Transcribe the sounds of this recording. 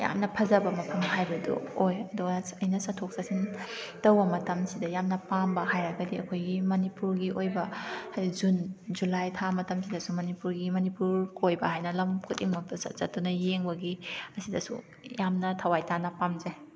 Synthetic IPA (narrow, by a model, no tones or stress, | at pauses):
ja̰mnɐpʰɐzɐbɐmɐpʰɐmhajbɐdṵojɐduɡɐɐjnɐsɐtʰok̚sasintɐwbɐmɐtɐmsidɐjamnɐpambɐɦajɾɐɡɐdiɐ̰kʰojɡimɐnipuɾɡiʔojbɐhajd͡ʒund͡ʒulajtʰamɐtɐmsidɐsumɐnipuɾɡimɐnipuɾkojbɐhajnɐlɐmkʰutiŋmɐɐsɐ̰t̚zɐtunɐjeŋbɐɡiɐsidɐsṵ | jamnɐtʰɐwajtanɐpamze